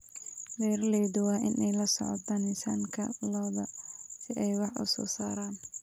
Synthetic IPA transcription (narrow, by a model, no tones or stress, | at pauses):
dɛːɾlɛːðʊwɑːʔɪnʔɛjlɐsɔ̰ʕɔ̰d̪ɐnɪsa̰ːŋkʰɐ̰lɔːðɐsɪʔɛjwɑħʊ̰sɔ̰ːsaːɾaːn